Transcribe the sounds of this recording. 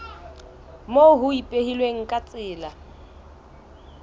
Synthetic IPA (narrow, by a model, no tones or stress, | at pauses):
moɦʊipʼehilweŋ̩kʼat͡sʼɪːla